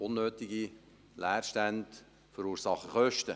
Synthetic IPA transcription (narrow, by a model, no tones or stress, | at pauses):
ʊnːøːtiɡi | læːrʃtænd | fəɾuːɾsɑχəχœʃtə